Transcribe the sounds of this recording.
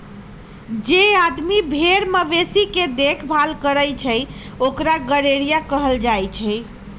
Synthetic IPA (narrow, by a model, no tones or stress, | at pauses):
d͡ʒead̪mibʱeɾməʋesiked̪ekʰbʱalkəɾəjt͡ʃʰəjokɾaɡəɾeɾijakəɦəld͡ʒajt͡ʃʰəj